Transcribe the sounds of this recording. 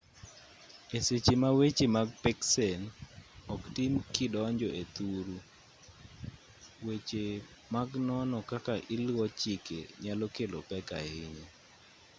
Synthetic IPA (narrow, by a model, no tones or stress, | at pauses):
eset͡ʃemawet͡ʃemaɡpɛksɛnɔktimkɪdɔɲd͡ʒɔʔet̪uɾu | wet͡ʃe | maɡnɔnɔkakaʔilwɔt͡ʃɪkḛɲalɔkelopɛka̰hɪɲi